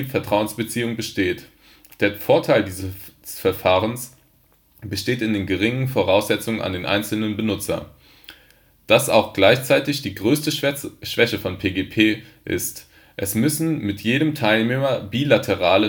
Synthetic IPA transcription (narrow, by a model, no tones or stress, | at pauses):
fɛɐtʁ̥aʊənsb̥ət͡siːʊŋbəʃteːt | d̥eːɐfoːɐtʰaɪldiːzəsfɛɐfaːʁəns | b̥əʃteːtɪndeːnɡəʁɪŋənfoʁ̞aʊsz̥ɛt͡sʊŋəna̰ndeːnʔa̰ɪnt͡sl̩nənbənʊt͡sɐ̰ | d̥asa̰ʊxɡ̥laɪçt͡saɪtɪçd̥iːɡʁøːstəʃv̥ɛçəfɔnpʰeːɡeːpʰeːʔɪ̰st | ʔɛsmʏsn̩mɪtʰjeːɾəmtʰaɪlneːmɐbiːlatʰəʁaːlə